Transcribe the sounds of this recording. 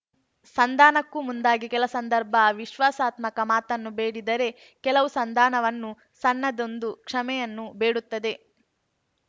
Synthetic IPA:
sɐnd̪ʱaːnɐkːumund̪aːɡikɛlɐsɐnd̪ɐɾbʱɐʋiʃʋaːsaːt̪mɐkɐmaːt̪ɐnːubeːɽid̪ɐɾe̞ | kɛlɐʋusɐnd̪ʱaːnɐʋɐnːu | sɐnːɐd̪o̞nd̪ukʂɐmɛjɐnːube̞ːɽut̪ːɐd̪e̞

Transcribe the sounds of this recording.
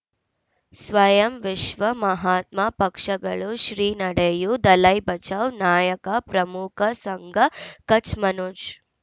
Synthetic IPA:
sʋɐjɐmʋiʃʋɐmɐɦaːt̪̚mapɐkʂɐɡɐɭuʃɾiːnɐɽejud̪ɐlɐjbɐt͡ʃɐʋnaːjɐkɐpɾɐmukʰɐsɐŋɡʱɐkɐt͡ʃmɐnuːʃ

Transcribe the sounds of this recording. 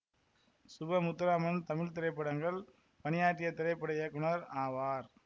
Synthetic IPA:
sʊbɐmʊt̪ːɪɾaːmɐnt̪ɐmɪlt̪ɪɾɐɪpːɐɽɐŋɡɐɭ | pɐnɪjaːʈːɪjɐt̪ːɪɾɐɪpːɐɽɐɪjɐkːʊnɐɾaːʋaːɾ

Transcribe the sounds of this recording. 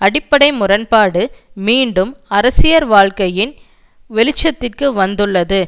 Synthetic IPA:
ɐɽɪpːɐɽɐɪmʊrɐnpaːɽɯmiːɳɖɯmɐɾɐsɪjɐɾʋaːɻkɐjɪn | ʋɛlɪt͡ʃːɐt̪ːɪrkɯʋɐnd̪ɯɭːɐðɯ

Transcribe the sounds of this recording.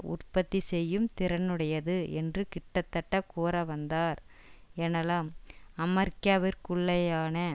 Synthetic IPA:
ʊ̰rpɐt̪ːisɛjːɯmt̪ɪɾɐnɯɽɐjɐðɯɛndrɯkɪʈːɐt̪ːɐʈːɐkuːɾɐʋɐnd̪aːɾ | eːnɐlaːmɐmɐɾkaʋɪɾkʊɭːɐjaːnɐ

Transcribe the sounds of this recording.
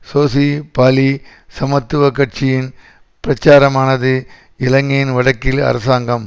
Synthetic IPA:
soːsipaːli | sɐmɐt̪ːɯʋɐkːɐʈ̚t͡ʃɪjɪn | pɪɾɐt͡ʃːaːɾɐmaːnɐðɯ | ɪlɐŋɡɐjɪnʋɐɽɐkːɪlɐ̰ɾɐsaːŋɡɐm

